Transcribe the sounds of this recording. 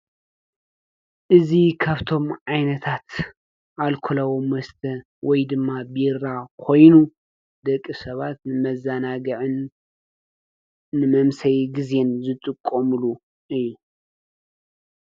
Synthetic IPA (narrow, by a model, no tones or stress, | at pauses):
ʔɨzikʰaβt̪ʰo̞mʕajnɐt̪ʰat̪ | ʔalkʰolɐwomwɐst̪ʰɐ | wʔɔjd̪ɨmːabiɾakʰo̞jnu | d̪ɐkʼːisɐβat̪nɨmɐzanaɡɐʕɨn | ɨmɐmsɐjɡize̞nzɨt̪ʼɨkʼːomɨlu | ʔɨjːu